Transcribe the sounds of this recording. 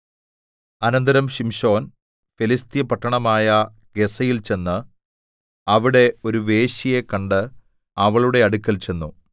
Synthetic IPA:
ɐnɐnd̪ɐɾɐmɕimɕo̞ːn | felist̪jɐpɐʈːɐɳɐmaːjɐ | ɡ̥e̞sɐjilt͡ɕe̞nːɨ | ɐʋiɽe̞o̞ɾuʋe̞ːɕije̞kːɐɳɖɨ | ɐʋɐɭuɽe̞ɐɽukʲːɐlt͡ɕe̞nːu

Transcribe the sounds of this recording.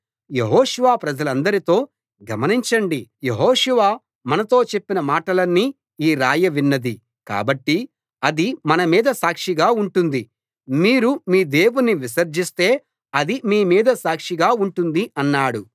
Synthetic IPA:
je̞ɦɔːʃuʋaːpɾɐd͡ʒɐlɐnd̪ɐɾit̪o̞ː | ɡɐmɐniɲt͡ʃɐɳɖijeɦɔːʃuʋaː | mɐnɐt̪o̞ːt͡ʃe̞pːinɐmaːʈɐlɐnːiː | iːɾaːjɐʋinːɐd̪i | ka̰ːbɐʈːi | ɐd̪imɐnɐmiːd̪ɐsaːkʂiɡaːuɳʈund̪i | miːɾumiːd̪e̞ːwunːiʋisɐɾd͡ʒist̪e̞ː | ɐd̪imiːmiːd̪ɐsaːkʂiɡaːuɳʈund̪iɐnːaːɽu

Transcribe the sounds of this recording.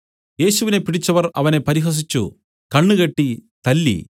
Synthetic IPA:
je̞ːsuʋine̞piɽit͡ɕːɐʋɐrɐ̰ʋɐne̞pɐɾiɦɐs̬it͡ɕːu | kɐɳːuɣɐʈːit̪ɐlːḭ

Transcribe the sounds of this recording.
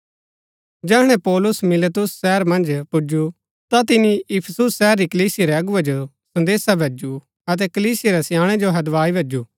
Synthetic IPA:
d͡ʒɛːɦɽ̃ɛ̃pɔːlʊsmɪlət̪ʊsːɛːɾmɐ̃nd͡ʒpʊd͡ʒu | t̪at̪̬ɪniɪpʰəsʊsːɛːəɾːikɐliːsɪeɾeɐɡʊad͡ʒo | sɐ̃nd̪eːsabʱeːd͡ʒu | ɐt̪̬ɛkəliːsɪeɾɛsɪjãːɽ̃ɛd͡ʒoɦɐd̪ʋaːibʱeːd͡ʒuː

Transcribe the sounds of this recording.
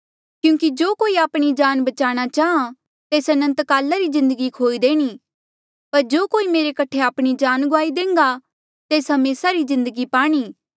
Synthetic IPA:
kjũːkid͡ʒoːkoːiaːpɽ̃id͡ʒaːnbɐt͡ʃaːɽ̃at͡ʃaːɦã | t̪eːsɐnə̃nt̪kaːlaɾizɪ̃nd̪əɡikʰoːid̪eːɽ̃i | pɐɾd͡ʒoːkoːimeːɾekɐʈʰeaːpɽ̃id͡ʒaːnɡʊaːid̪ẽːŋɡa | t̪eːsɦɐmeːsaɾizɪ̃nd̪əɡipaːɽ̃iː

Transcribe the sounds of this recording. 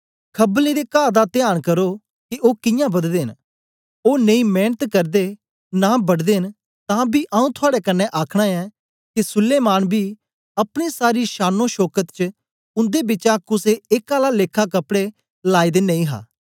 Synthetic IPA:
kʰəblĩd̪ekaːd̪at̪ɪjaːɽ̃kəɾoː | kiʔoːkɪ̃jãːbɐd̪d̪eːɦɪn | oːnẽĩːmɛːnət̪kɐɾd̪eː | nabɐɽd̪eːɦn | t̪ãːbiːʔaːũt̪ʰʊaːɽekənːɛʔaːkʰɽ̃aɛː | kisʊlːeːmaːnbʱiː | ɐpɽ̃esaːɾiːʃaːnõʃɔːkət̪t͡ʃə | ʊ̃nd̪ebɪt͡ʃãkʊseɪkaːlaleːkʰakɐpɽe | laːid̪enẽĩːɦa̰ː

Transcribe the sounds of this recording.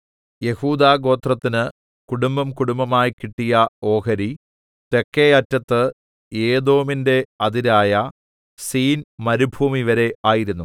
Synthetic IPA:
je̞huːd̪aːɡo̞ːt̪rɐt̪ːinɨ | kuɽumbɐmkuɽumbɐmaːjikiʈːijɐo̞ːkɐɾi | t̪e̞kːejɐtːɐt̪ːɨ | eːd̪o̞ːminde̞ɐd̪iɾaːjɐ | siːnmɐɾubʱuːmiʋɐɾe̞ʔaːjiɾunːu

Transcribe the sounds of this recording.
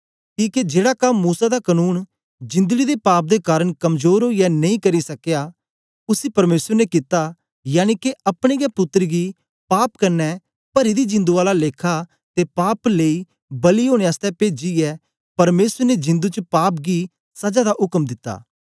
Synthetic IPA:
kiːked͡ʒeːɽakɐmːuːsad̪akənuːn | d͡ʒɪ̃nd̪əɡid̪epaːp̚d̪ekaːɾəɽ̃kɐmzoːɾɦoːijɛnɐ̃ĩkɐɾisɐkja | ʊsipɐɾmeːsəɾnekɪt̪ːa | jaːñikeɐpɽ̃eɡɛpʊt̪ːəɾɡi | paːp̚kɐɾnɛ | pɐɾid̪id͡ʒɪ̃nd̪uaːlaleːkʰa | t̪epaːpleːi | bɐliɦoːɽ̃eaːst̪ɛpeːd͡ʒiɛ | pɐɾmeːsəɾned͡ʒɪ̃nd̪ut͡ʃəpaːp̚ɡi | sɐd͡ʒad̪aʔʊkmd̪ɪt̪ːa̰ː

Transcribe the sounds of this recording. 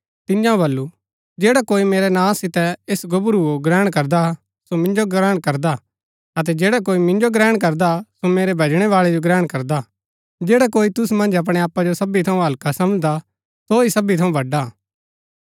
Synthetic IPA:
t̪ɪ̃jãõbɐlːu | d͡ʒeːɽakoːimeːɾɛnãːsɪt̪ɛesɡʊbɾuoɡɾɛːɽ̃kɐɾd̪a | somɪ̃nd͡ʒoɡɾɛːɽ̃kɐɾd̪a | ɐt̪̬ɛd͡ʒeːɽak̬oːimɪ̃nd͡ʒoɡɾɛːɽ̃k̬ɐɾd̪asomeːɾɛbʱed͡ʒɽ̃ɛʋaːɭɛd͡ʒoɡɾɛːɽ̃kɐɾd̪a | d͡ʒeːɽakoːit̪ʊsmɐ̃nd͡ʒɐp̬ɽ̃eaːpːad͡ʒosɐbit̪ʰɐũɦɐlkasɐməd͡ʒd̪a | soisɐbit̪ʰɐ̃ũbʱɐɖa

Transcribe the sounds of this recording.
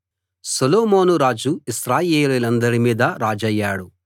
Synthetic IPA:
sɐloːmoːnuɾaːd͡ʒuisɾaːjeːliːlɐnd̪ɐɾimiːd̪ɐɾaːd͡ʒɐjːaːɽu

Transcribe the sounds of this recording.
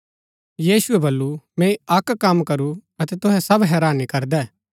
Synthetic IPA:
jiːsʊɛbɐlːumɛ̃ːiɐkkɐmkɐɾuɐt̪ɛt̪ʊɦɛsɐbɦɛːɾaːnikɐɾd̪ɛː

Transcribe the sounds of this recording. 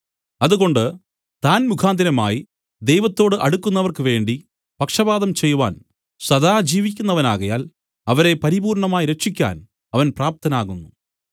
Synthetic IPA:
ɐðuɣo̞ɳɖɨ | t̪aːnmukʰaːnd̪inɐma̰ːji | d̪e̞jʋɐt̪ːo̞ːɽɨʔɐɽukːunːɐʋɐrkɨʋe̞ːɳɖi | pɐkʂɐbaːðɐmt͡ɕe̞jːuʋa̰ːn | sɐd̪aːd͡ʑiːʋik̬ʲːunːɐʋɐnaːɣɐja̰ːl | ɐʋɐɾe̞pɐɾibuːɾɳɐmaːjiɾe̞kʂikʲːa̰ːn | ɐʋɐnpraːp̚t̪ʰɐnaːɣunːu

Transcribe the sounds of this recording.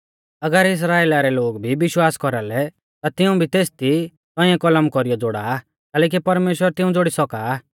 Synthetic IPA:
ɐɡəɾɪs̬ɾaːeːlaɾɛloːɡbʱiʋɪʃwaːskɔɾalɛ | t̪at̪ɪũbʱit̪eːst̪i | t̪ɔ̃ːĩɛ̃kɔləmkɔɾijɔd͡zoɽaː | kɛːlɛːk̬ipɐɾmeːʃwəɾt̪ɪũd͡zoɽisɔkaː

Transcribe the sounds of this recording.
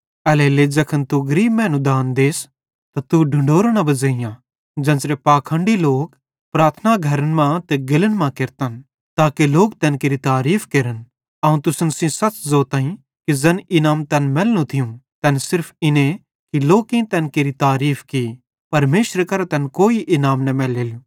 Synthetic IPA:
ɐleleːd͡ʒɐkʰənt̪uɡɐɾiːbmɛ̃ːnũd̪aːnd̪eːs | t̪at̪uɖʱʊɳɖoːɾɽ̃abɐzəɪjã | d͡ʒɛ̃ːnsɾepaːkʰə̃ɳɖiloːk | pɾaːt̪ʰnaɡʱɐɾənmãt̪ɛɡɪlənmãkɪɾt̪ən | t̪aːkeloːkt̪ɛːnkeːɾit̪aːɾiːpʰkeːɾən | ɐũt̪ʊsənsĩsɐt͡ʃzoːt̪ãːĩ | kizɐnɪnaːmt̪ɛnmɛːlnũt̪ʰɪjũt̪ɛnsɪɾpʰɪnẽ | kiloːkĩt̪ɛːnkeːɾit̪aːɾiːpʰki | pɐɾmeːʃɾəkɐɾat̪ɛnkoːiʔɪnaːmnɐmɛːleːlu

